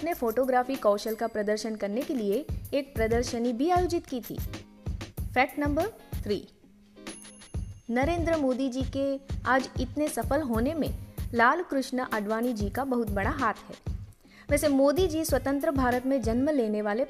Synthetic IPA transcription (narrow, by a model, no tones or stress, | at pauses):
nefoːʈoːɡɾaːfikɔːʃəlkapɾɐd̪əɾʃənkɐɾnekelieeːk̚pɾɐd̪əɾʃənibʱiaːjoːd͡ʒɪt̪kit̪ʰḭː | fɛːʈnɐ̃mbəɾt̪ʰɾiː | nɐɾẽːnd̪ɾəmoːd̪id͡ʒiːkeaːd͡ʒɪt̪nesɐfəlɦoːnemḛ̃laːlkɾʊʃnəʔɐɖʋaːnid͡ʒiːkabɐɦʊt̪̚bɐɽaɦaːt̪ʰɦɛ̰ː | ʋɛːsemoːd̪id͡ʒiːswɐt̪ə̃nt̪ɾəbʱaːɾət̪mẽd͡ʒɐnməleːneʋaːle